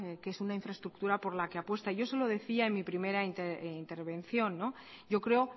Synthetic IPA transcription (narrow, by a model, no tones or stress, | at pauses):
ke̞sunaiɱfɾae̞st̪ɾuk̚t̪uɾapo̞ɾlake̞apwest̪aiʝo̞solo̞ð̞e̞θiaenmipɾime̞ɾaint̪eint̪e̞ɾβ̞e̞nθjo̞nːo̞ | ɟ͡ʝo̞kɾe̞o